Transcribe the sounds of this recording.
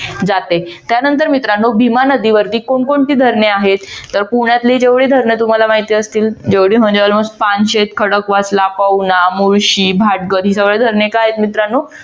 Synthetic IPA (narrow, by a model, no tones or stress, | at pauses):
d͡zat̪et̪janənt̪əɾmit̪ɾanːuːbʱimanəd̪iʋəɾt̪iːkoɳkoɳʈ̪iːd̪ʱəɾɳeaɦet̪ːəɾpuɳjat̪led͡ʑeʋɭeːd̪ʱəɾɳjet̪um̤alamaɦit̪iəst̪iːld͡ʑeʋɽiːm̤əɳd͡ʑeʋəlməpanɕet̪kʰəɽəkʋaslapəwnamuɭɕiːbʱaʈ̚ɡəɾɦiːsəʋɭed̪ʱəɾɳekaaɦet̪mit̪ɾanːuː